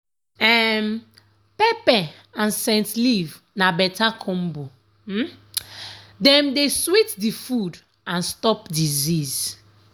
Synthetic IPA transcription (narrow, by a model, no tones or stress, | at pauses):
ɛm | pɛpɛ | ãnsɛ̃ntliv | nabɛtakʰɔ̃mbo | dɛ̃mdeswitdifud | ãnstɔpdiziz